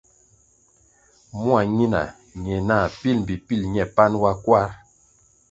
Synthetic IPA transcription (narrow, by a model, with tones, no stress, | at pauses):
mu˦a˨ɲi˦na̰˨ | ɲɛ˨na˦˨pi˦lm˨bi˨pi˦˨lɲɛ˨pa˦nwa˦kwa˦ɾ